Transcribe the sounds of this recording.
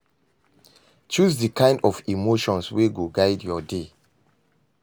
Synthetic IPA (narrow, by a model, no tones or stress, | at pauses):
t͡ʃusdikʰãɪ̃ndɔvimoʃɔ̃nsweɡoɡaɪdjɔde